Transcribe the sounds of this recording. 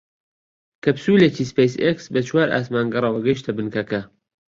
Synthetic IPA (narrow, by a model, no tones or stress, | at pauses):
kɐpsuːlet͡ʃiːspejseksbɐt͡ʃʰwaːɾʔa̰ːsmaːnɡɐrˤɐwɐɡɐjʃt̪ʰɐbɨnkɐkɐ